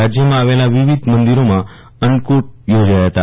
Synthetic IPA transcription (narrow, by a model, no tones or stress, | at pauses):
ad͡ʑjəmãaʋelaʋiʋid̪ʱmənd̪iɾomã | əɳɖkuʈ̚jod͡ʒajɦət̪a